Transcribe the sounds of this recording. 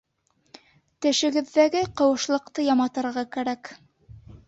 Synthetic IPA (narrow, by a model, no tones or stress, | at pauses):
t̪ɘ̆ʃɘ̆ɡɘ̆ðːæɡɘqɤ̆wɤ̆ʃlˠɤ̆qt̪ɤjɑmɑt̪ɤ̆ɾʁɑkæɾæk